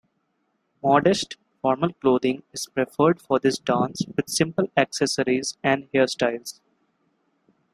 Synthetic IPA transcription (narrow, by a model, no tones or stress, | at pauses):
mɔːɖesʈ | fɔːɾməlkloːd̪ɪ̃ŋɪz̥pɾefəɾɖfɔɾd̪ɪsɖãːnsʋɪd̪sɪ̃mpəlæksəsəɾizæ̃ɳɖheəɾsʈaɪlz